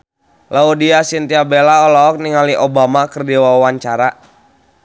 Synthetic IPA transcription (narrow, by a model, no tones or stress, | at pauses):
laudiasint̪iabelaɔlaɔk̚niŋaliʔobamakərdiwawwaɲt͡ʃaɾa